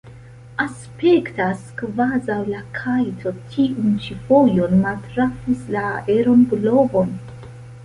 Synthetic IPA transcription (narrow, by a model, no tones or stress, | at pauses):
as | pe̞ktaskvazawlakʰajtʰo̞tʰiunt͡ʃifojo̞nmaltɾafislaeɾo̞nblo̞vo̞n